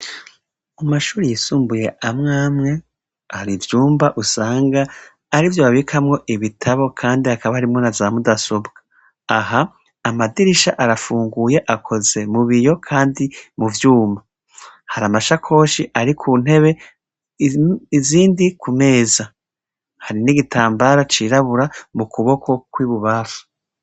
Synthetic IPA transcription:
umaʃuːɾijisuːmbuje̞amŋaːmŋe̞ | aɾivjuːmbaʔusaːŋɡaː | ɾivjoβaβikʰamŋo̞ʔiβitʰaβo̞kʰaːndiakaβahaɾimŋo̞nazamudasobɡ̥ḁ | ahaː | madiɾiʃaʔaɾafuːŋɡuje̞ʔakʰo̞ze̞muβijo̞kʰaːndimuvjuːma | haɾamaʃakʰo̞ːʃiʔaɾikʰuːn̥he̞βe̞ | iziːndikʰume̞ːza | haɾiniɡitʰaːmbaɾat͡ʃiɾaβuɾamukuβo̞kʰo̞kwiːβuβafu̥

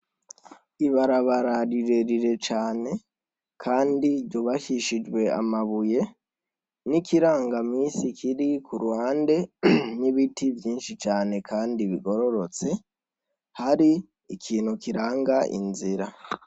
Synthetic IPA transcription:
iβaɾaβaɾaɾiɾeɾiɾe̞t͡ʃaːne̞ | kʰaːndiɟoβaʃiʃid͡ʒwe̞a̰maβuje̞ | nikʰiɾaːŋɡamiːsikʰiɾikuɾuwaːnde̞niβitʰivjiːnʃit͡ʃaːne̞kʰaːndiβiɡo̞ɾo̞ɾo̞t͡se̞ | haɾi | ikʰiːnhukiɾaːŋɡaʔḭnziɾa

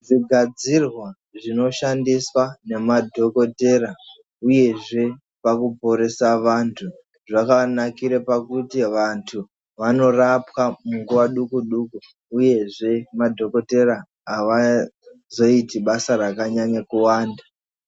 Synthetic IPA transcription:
ʐiɡʱad͡zirwa | ʐino̞ʃandiswane̞madʱo̞ko̞te̞ɾa | uje̞ʐe̞ | pakupo̞ɾe̞saʋantʰu | ʐakanakiɾepakutiʋantʰu | ʋano̞rapwamuŋɡuʋaɗukuɗukuː | je̞ʐe̞madʱo̞ko̞te̞ɾaː | ʋa | zo̞itiɓasaɾakaɲaɲekuwaːnda

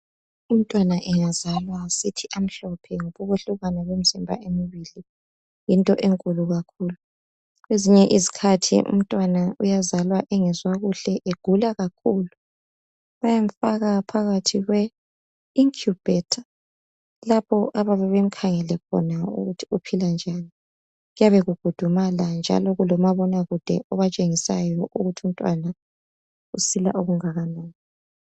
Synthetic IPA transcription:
um̩tʼwanaʔɛŋazalwasitʰiʔam̩ɬɔpʰɛŋoβuβuɬuɣanaɣem̩zimbʱa̰ʔemiβili | jintʼɔʔeŋkʼuluɣakʰuːlu | ɣweziɲɛʔizikʰatʰḭʔṵm̩tʼwanaujazalwaʔɛŋɛzwaɣuɬɛʔeɡ̥ʱulaɣakʰuːlu | βajam̩faɣapʰaɣatʰiɣwɛ | iŋkʰjub̥ʱɛtʰa | lapʰɔʔaβaβɛβem̩kʰaŋɛlɛkʰɔ̰naṵɣutʰi̥upʰiland͡ʒʱani | ɣujaβeɣuɡ̥ʱud̥ʱumaland͡ʒʱa̰lɔɣulɔmaβɔnaɣud̥ʱɛɔβat͡ʃʼeŋisajɔʔuɣutʰum̩tʼwana | usila̰ʔuɣuŋaɣanaːni

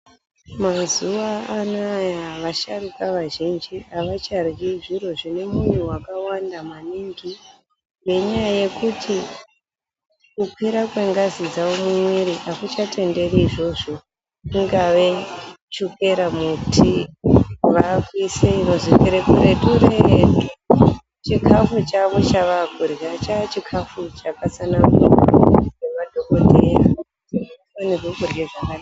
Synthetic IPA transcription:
mazuaːnajaʋaʃarukaʋaʒind͡ʒiaʋat͡ʃarɡiʐiro̞ʐine̞mun̤uwakawandamaniŋɡi | nɡe̞ɲajaje̞kutʰi | kupeɾakweŋɡazid͡zaomumwiɾiʔakut͡ʃate̞nde̞riːʐo̞ʐo̞ | iŋɡaʋe̞ | t͡ʃuke̞ɾamutʰi | ʋakwiseino̞zikeɾekuɾetuɾetu | t͡ʃikʰafut͡ʃaʋo̞t͡ʃaʋakuɾɣat͡ʃat͡ʃikʰafut͡ʃakasanamukemadʱoko̞teja̰autiufanirwekurɡeʐakada

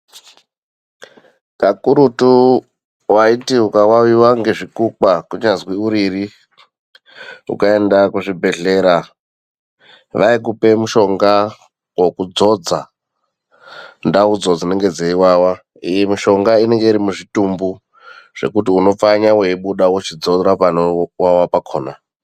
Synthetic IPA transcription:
kakuɾutu | waitiukawawiwaŋɡe̞ʐikukakuɲazwiuɾiri | ṵkae̞ndakuʐibʱe̞ɮe̞ːɾa | ʋaik̬upe̞muʃo̞ŋɡa | wo̞kud͡zo̞d͡za | ndaud͡zo̞d͡zine̞ŋɡe̞d͡zeiwaːwa | ijemiʃo̞ŋɡaine̞ŋɡe̞iɾimuʐitumbu | ʐ̥e̞̰kutiuno̞faɲaweiɓuɗawut͡ʃid͡zo̞rapanowawapakʰoːna

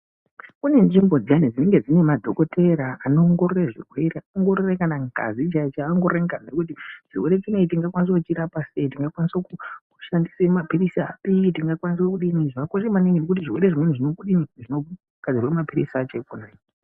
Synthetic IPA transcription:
kune̞nʐimbo̞d͡zijanid͡zine̞ŋɡe̞d͡zine̞madʱo̞ko̞te̞ɾaano̞ːŋɡo̞ɾoreʐḭrwe̞ɾeaoŋɡo̞ɾorekanaŋɡʱa̰zit͡ʃaet͡ʃaaŋɡo̞ɾeŋɡamnekut̬iʐ̥ḭwe̞ɾe̞t͡ʃineitiŋɡakwanis̬okut͡ʃiɾapase̞itiŋɡakwanisokuku̥ʃandisemapirisa̰pitiŋɡakwanis̬wekuɗiniʐakoʃemaniŋɡinek̬utiʐirweɾeʐimwen̤uʐinokuɗiniʐino | ɡ̥ʱad͡zirwemapiɾisat͡ʃekunaːi

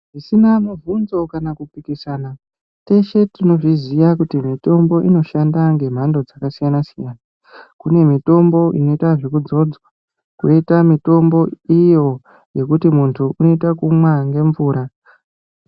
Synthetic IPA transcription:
ʐisinamuvunzo̞kanakupikisaːna | te̞ʃe̞tino̞ʐizijakutimito̞mbo̞ʔino̞ʃandaŋɡe̞m̤ando̞d͡zakasijanasijaːna | kune̞mito̞mbo̞ʔḭno̞itaʐikud͡zo̞d͡zwa | kuitamito̞mbo̞ijo̞ | je̞kutimuntʰuʔuno̞itakumwaŋɡe̞ɱvuːɾa

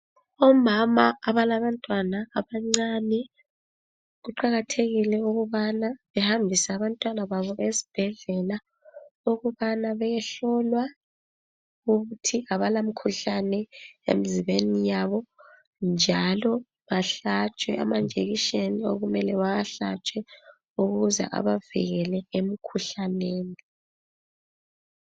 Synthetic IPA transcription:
ɔmamaːβalaβantʼwanaːβaŋ͡ǀanɛ | ɣuǃaɣatʰeɣilɛuɣuβanaβɛhambʱisɛːβantʼwanaβaβɔʔezi̥b̥ʱɛɮɛla | uɣuβanaβɛjɛɬɔlwa | ɣuɣutʰiaβalamikʰuɬanɛḛmiziβenijaβɔ | nd͡ʒʱalɔ | βaɬat͡ʃʼwɛʔa̰mand͡ʒʱeɣiʃenioɣumɛlɛwajaɬa̰t͡ʃʼwɛ | uɣuzɛ̰ʔa̰βavḭɣɛlɛem̩kʰuɬaneːni

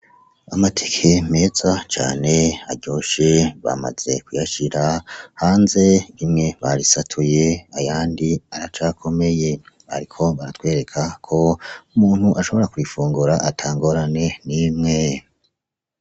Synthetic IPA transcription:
amatʰe̥kʰe̞me̞ːz̥at͡ʃa̰ːne̞a̰ɾɟo̞ːʃe̞βa̰ma̰z̥e̞̰kujaʃiɾahaːnze̞imŋe̞βaɾisatʰuje̞ajaːndiaɾat͡ʃaːkʰo̞me̞je̞ | ha̰ɾikʰo̞βaɾatkwe̞ːɾe̞kʰakʰo̞umuːn̥huʔaʃo̞βo̞ɾakuifuːŋɡuɾaʔatʰaːŋɡo̞ɾane̞nimŋe̞

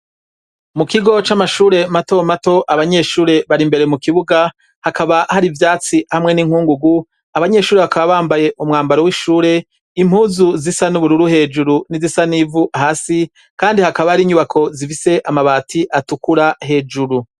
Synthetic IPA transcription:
mukiɡo̞t͡ʃamaʃuːɾe̞mato̞mato̞ʔaβaɲe̞ʃuːɾe̞βaɾimbe̞ɾe̞mukiβuɡa | hakʰaβahaɾivjaːt͡sihamŋe̞niŋ̥huːŋɡuɡu | aβaɲe̞ʃuːɾe̞βakaβaβaːmbaje̞ʔumŋaːmbaɾowiʃuːɾe̞ | im̥huːzuzisanuβuɾuɾuhe̞ːd͡ʒuɾunizisanivuʔahaːsi | kaːndihakaβahaɾiːɲuβakʰo̞zifise̞ʔamaβaːtʰiʔatukuɾaɦe̞d͡ʒuɾu

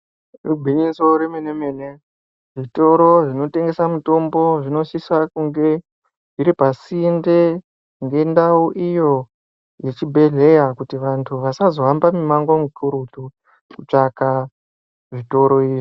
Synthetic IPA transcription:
rubʱiɲisoɾemenemene̞ | ʐito̞ɾo̞ʐino̞te̞ŋɡe̞samuto̞mbo̞ʐino̞ʃiswakuŋɡe̞ | iɾipasinde | ŋɡe̞ndauʔijo̞ | jet͡ʃibʱe̞ɮe̞jakutiʋantʰuʋasazo̞ambamimaŋɡomukuɾutu | kut͡ʂaka | ʐito̞ɾo̞iːʐi

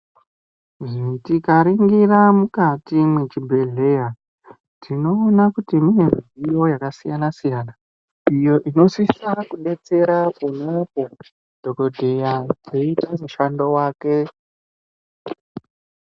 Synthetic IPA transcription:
ʐitikaɾiŋɡiramukatimwet͡ʃibʱe̞ɮe̞ja | tino̞ːnakutimiɦemijo̞jakasijanasijaːna | ijo̞ʔino̞sisakuɗe̞t͡se̞ɾapunopo | d̥ʱo̞ko̞dʱejad͡zeitamuʃando̞waːke̞

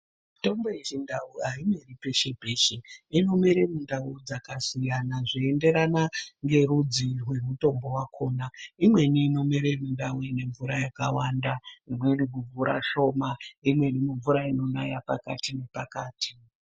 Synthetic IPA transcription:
mito̞mboit͡ʃindauɦaimeripe̞ʃe̞pe̞ːʃeino̞miɾemundaud͡zakasijanaʐiende̞ɾanaŋɡe̞rud͡zirwe̞muto̞mbo̞wakʰo̞ːnaimwe̞niːno̞miɾemundawene̞ɱvuɾajakawandaimwenikuɱvuɾa̰ʃo̞maimwe̞nimuɱvuɾaino̞najapa̰ka̰tine̞pakaːtʰi̥

